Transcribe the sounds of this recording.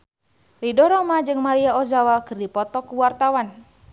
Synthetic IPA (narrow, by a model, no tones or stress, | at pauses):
lidɔɾɔmad͡ʒɨŋmaɾiaozawakɨrdipɔt̪ɔkuwart̪awan